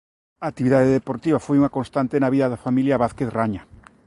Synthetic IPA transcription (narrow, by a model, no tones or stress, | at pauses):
aːk̚t̪iβiðaðeðepoɾt̪iβafojuŋakonst̪ant̪enaβiðaðafamiljaβaθkeθraɲa